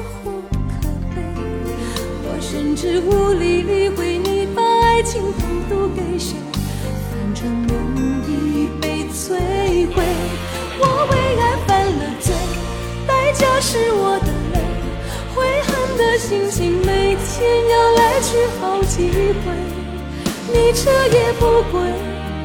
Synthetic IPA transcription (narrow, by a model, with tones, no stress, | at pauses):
xu˧˥kʰɤ˨˩pe˥ɪ | wɔ˨˩ʂə˧nʈ͡ʂɻ̩˧u˥˧li˧li˥˧xwe˧˥ɪni˧˩pa˥˧a˥ɪt͡ɕʰi˧˥ŋfu˨˥t̪u˥˧ke˧ɪʂɑ˨˧˩ŋ | kɛ˨˧˩ŋʈ͡ʂʊ˧˥ŋnə˧ŋ˧i˥˧pe˧˩ɪt͡sʰwe˥xwe˥˩ɪ | wɔ˨˧˦xwe˧˥ɪka˧˥npa˥nlə˧˩t͡swe˥˩ɪ | t̪a˥ɪt͡ɕjɑ˧˩ʊʂɻ̩˧˥wɔ˨˧˦d̪ə˧le˥˧˩ɪ | xwe˧˥ɪxa˥˧nd̪ə˨ɕi˧˥ŋt͡ɕʰi˧˥ŋme˧˨˥ɪt̪ʰjɛ˥njɑ˥˩ʊla˧˥ɪʈ͡ʂ̩ʰ˧˥xɑ˧˥ʊt͡ɕi˧˥xwe˧˥ɪ | ni˨˩ʈ͡ʂʰɤ˥jɛ˨˩pu˥kwe˧˥˩ɪ